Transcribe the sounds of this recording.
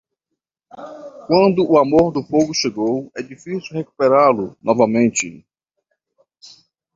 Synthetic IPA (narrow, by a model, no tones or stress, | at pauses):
kwɐ̃nd̪ʊʔːamoɾd̪ʊfoɡʊʃeɡowɛd͡ʒifisiwheku̥peɾalʊnʔɔvɐmẽnt͡ʃɪ